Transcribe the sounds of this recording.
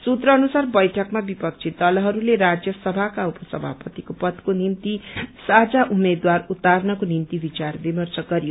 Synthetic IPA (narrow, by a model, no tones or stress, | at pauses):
sut̪rʌːnusarbʌjʈʰʌkmabipʌk̚t͡sʰit̪ːʌlɦʌɾuleɾad͡zjʌsʌbʱakaupʌsʌ̰bʱa̰pʌt̪ikopʌd̪konimt̪isad͡zaʔumed̪warut̪ːarnʌkonimt̪ibit͡sarbimʌrt͡sʌɡʌɾijo